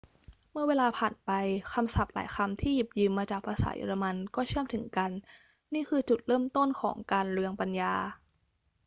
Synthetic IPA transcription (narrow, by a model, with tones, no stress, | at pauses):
mɯ˥˩ɐweː˧laː˧pʰaː˨˩npa˧jkʰa˧msa˨˩p̚la̰ː˩˦jkʰa˧mt̪ʰiː˥˩ji˨˩p̚jɯː˧mːaː˧t͡ɕaː˨˩k̚pʰaː˧sa̰ː˩˦jo̰˧ɾa˧ma˧nkɔː˥˩t͡ɕʰɯ˥˩əmt̪ʰɯ˩˦ŋka˧nː | iː˥˩kʰɯː˧t͡ɕu˨˩t̪̚ɾɤː˥˩mt̪o˥˩nkʰɔː˩˦ŋkaː˧nɾɯ˧əŋpa˧njaː˧